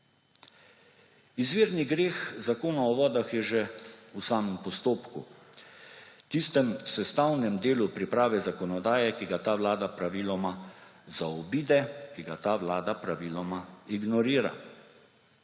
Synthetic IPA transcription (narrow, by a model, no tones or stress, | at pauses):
izʋiːɾniɡɾeːxzakoːnaɔʋɔːd̪axjɛʒɛusaːmɛmpɔst̪oːpkṵ | t̪ist̪ɛmsɛst̪awnɛmd̪eːlupɾipɾaːʋɛzakɔnɔd̪aːjɛkiɡat̪aːʋlaːd̪apɾaʋilɔmazaɔbiːd̪ɛkiɡat̪aːʋlaːd̪apɾaʋiːlɔmaiɡnɔɾiːɾa̰